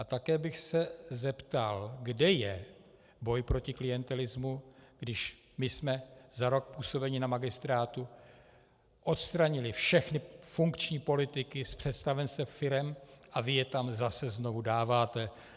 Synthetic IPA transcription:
ʔat̪akɛːbɪxsɛzɛpt̪alɡdɛjɛ | bo̞jpɾo̞cɪklɪjɛnt̪ɛlɪzmuɡ̥dɪʃ | mɪsmɛzaɾo̞k̚puːso̞bɛɲɪnamaɡɪst̪ɾaːt̪u | ʔo̞t̪st̪ɾaɲɪlɪfʃɛxnɪfuŋkt͡ʃɲiːpo̞lɪt̪ɪkɪspr̥ɛt̪st̪avɛnsɛfɪɾɛmʔavɪjɛt̪amzasɛzno̞vudaːvaːt̪ɛ

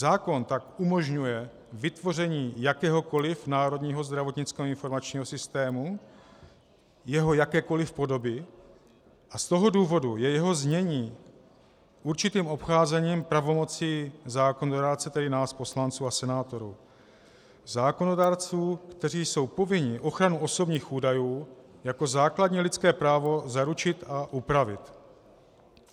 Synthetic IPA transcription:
zaːko̞nt̪akumo̞ʒɲujɛ | vɪt̪vo̞r̝ɛɲiːjakɛːɦo̞ko̞lɪfnaːɾo̞dɲiːɦo̞zd̪ɾavo̞t̪ɲɪt͡skɛːɦoɪnfo̞ɾmat͡ʃɲiːɦo̞sɪst̪ɛːmu | jɛɦo̞jakɛːko̞lɪfpo̞do̞bɪ | ʔast̪o̞ɦo̞duːvo̞dujɛjɛɦo̞zɲɛɲiː | ʔuɾt͡ʃɪt̪iːmo̞pxaːzɛɲiːmpɾavo̞mo̞t͡siːzaːko̞nodaːɾt͡sɛt̪ɛdɪnaːspo̞slant͡suːasɛnaːt̪o̞ɾuː | zaːko̞no̞daːɾt͡suːkt̪ɛriːso̞wpo̞vɪɲɪʔo̞xɾanuʔo̞so̞bɲiːxʔuːdajuːjako̞zaːkladɲilɪt͡skɛːpɾaːvo̞zaɾut͡ʃɪt̪aʔupɾavɪ̰t̪

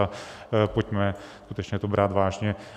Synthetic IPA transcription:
apocmɛskut̪ɛt͡ʃɲɛt̪obɾʔaːt̪vaːʒɲɛ

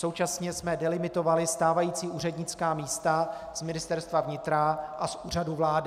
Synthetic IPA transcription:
so̞wt͡ʃasɲɛsmɛdɛlɪmɪt̪o̞valɪst̪aːvajiːt͡siːʔuːrɛdɲɪt͡skaːmiːst̪a | z̥mɪnɪst̪ɛɾst̪vavɲɪt̪ɾaʔasʔuːraduvlaːdɪ

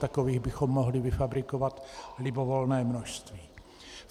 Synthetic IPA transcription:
t̪ako̞viːɣbɪxo̞mːoɦlɪvɪfabɾɪko̞vat̪lɪbo̞volnɛːmnoʃst̪viː

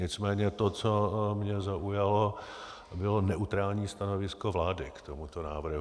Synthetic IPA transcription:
ɲɪt͡smɛːɲɛt̪ot͡somɲɛzaʔujalo | bɪlonɛʔut̪ɾaːlɲiːst̪anovɪskovlaːdɪkt̪omut̪onaːvr̩ɦ

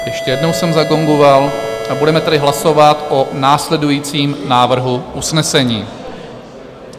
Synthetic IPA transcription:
jɛʃcɛjɛdno̞wsɛmzaɡo̞ŋɡovalabudɛmɛt̪ɛdɪɦlaso̞vat̪ʔonaːslɛdujiːt͡siːmnaːvr̩ɦuʔusnɛsɛɲiː

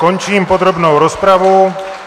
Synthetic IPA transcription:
kɔɲt͡ʃiːmpɔd̪ɾɔbnɔʊɾɔspɾaʋuʊ

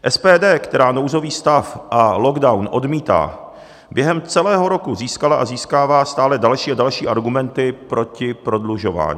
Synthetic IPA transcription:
ʔɛspɛːdɛːkt̪ɛɾaːno̞wzo̞viːst̪afʔalo̞ɡdawnʔo̞dmiːt̪a̰ː | bjɛɦɛmt͡sɛlɛːɦo̞ɾo̞kuziːskalaʔaziːskaːvaːst̪aːlɛdalʃiːadalʃiːʔaɾɡumɛnt̪ɪpɾo̞cɪpɾo̞dluʒo̞va̰ːɲiː

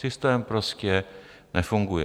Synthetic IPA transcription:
ɪst̪ɛːmpɾɔscɛnɛfʊŋɡujɛ̰

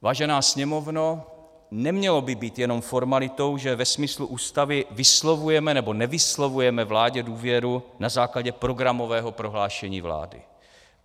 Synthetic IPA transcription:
vaːʒɛnaːsɲɛmo̞vno | nɛmɲɛlobɪbiːt̪jɛno̞mfo̞ɾmalɪt̪o̞wʒɛvɛsmɪsluʔuːst̪avɪvɪslovujɛmɛnɛbo̞nɛvɪslovujɛmɛvlaːɟɛduːvjɛɾunazaːklaɟɛpɾo̞ɡɾamo̞vɛːɦopɾo̞ɦlaːʃɛɲḭːvla̰ːdɪ̰

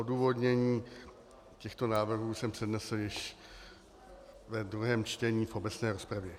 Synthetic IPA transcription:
ʔo̞duːvo̞dɲɛɲiː | cɛxt̪o̞naːvr̩ɦuːsɛmpr̝̥ɛdnɛsl̩jɪʃ | vɛd̪ɾuɦɛːmt͡ʃt̪ɛɲiːfʔo̞bɛt͡snɛːɾo̞spɾavjɛ

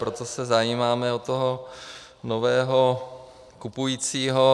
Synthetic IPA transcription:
pɾot̪osɛzajiːmaːmɛot̪oɦo | novɛːɦo | kupujiːt͡siːɦo

